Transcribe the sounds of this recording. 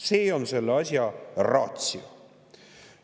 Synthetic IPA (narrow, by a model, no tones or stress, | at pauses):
se̞ːo̞nse̞lːeɑsʲjɑrɑ̰ːt̪sio